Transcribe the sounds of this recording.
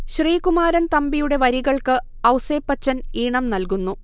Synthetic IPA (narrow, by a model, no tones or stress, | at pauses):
ɕriːkumaːɾɐnt̪ɐmbijuɽe̞ʋɐɾiɣɐɭkɨ | ɐwseːpːɐt͡ɕːɐniːɳɐmnɐlkunːu